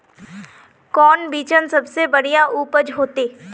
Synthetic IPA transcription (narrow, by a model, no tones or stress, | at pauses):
kɔːnbiːt͡ʃənsɐbsebɐɽijaʔuːpəd͡ʒɦoːt̪eː